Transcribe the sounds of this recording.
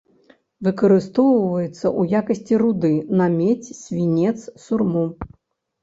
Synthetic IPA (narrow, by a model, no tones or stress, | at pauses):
vɨkɐɾɨst̪ɔwvɐjɛt̪sːɐʔujakɐsʲt͡sʲirud̪ɨnɐmʲet͡sʲsʲvʲinʲɛt̪ssurmu